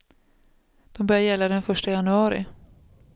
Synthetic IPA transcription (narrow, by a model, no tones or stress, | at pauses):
d̪̥ɔmbœɾjaɾjɛlːad̪ɛnfœʂʈajanɵɑːɾɪ̰